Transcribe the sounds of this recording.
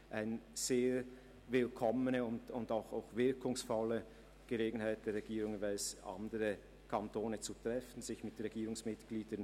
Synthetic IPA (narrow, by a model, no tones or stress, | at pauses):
ʔaɪnz̥eː | vɪlkʰɔmənəʊndʊndaʊxa̰ʊxvɪɐkʊŋsfɔlːə | ɡ̥əleːɡn̩haɪt̚d̥eːɐʁɛɡ̥iːɾʊŋvaɪlsʔa̰ndəʁə | kʰantoːnət͡sutʁ̥ɛfn̩zɪçmɪtʁɛɡiːɾʊŋsmɪtɡ̥liːdən